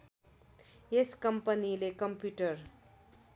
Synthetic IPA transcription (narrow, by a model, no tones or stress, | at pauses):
eskʌmpʌnilekʌmpjuʈʌr